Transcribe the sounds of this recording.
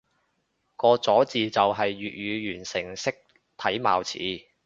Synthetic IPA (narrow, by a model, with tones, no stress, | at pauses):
kɔː˧t͡sɔː˨˥t͡siː˨t͡sɐ˨wɦɐ˨jːyː˨t̚ɥyː˨˧jyː˨˩nsɪ˨˩ŋsɪ˥k̚ | t̪ʰɐ˨˥jma̰ː˨wt͡sʰḭː˨˥